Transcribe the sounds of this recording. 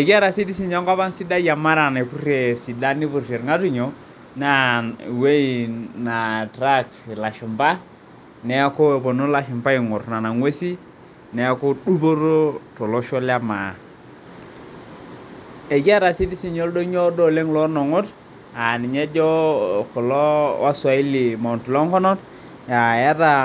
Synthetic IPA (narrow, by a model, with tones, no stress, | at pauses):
e˨ɡi˦a˦ɾa˨si˦di˦si˨ɲo˦ŋɡa˦ba˦nsi˦da˦ja˨ma˦ɾa˨ne˨pu˦rje˨si˨da˦ni˦pu˨re˨ɾŋa˦tu˦ɲo˨ | na˦˨we˦i˨na˨tɾa˦k̚tla˨ʃi˨mba˦ | nɛ˨˦a˦ko˦e˨bo˨no˦la˨ʃi˨mba˦ɪ˨ŋʊ˨ɾna˨na˨ŋwe˦si˦ | nɛ˨a˦ko˦ɗu˦bo˦ɾo˦to˨lɔ˦ʃɔ˦lja˦ma˨ | e˨ɡa˦ɾa˨si˦di˦si˦ɲo˦ldo˦ɲo˦do˦le˦ŋlɔ˦nɔ˨ŋʊ˦t | a˨ni˨ɲe˦d͡ʒɔ˦kɔ˨lɔ˦wa˦swa˨i˦li˨ma˨ntu˨lɔ˦ŋkɔ˦nɔ˦t | ja˨ja˦ɾa˦